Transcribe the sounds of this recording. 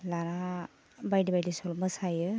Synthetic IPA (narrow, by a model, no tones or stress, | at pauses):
laɾa | bajdibajdisɔlmɯsajɯ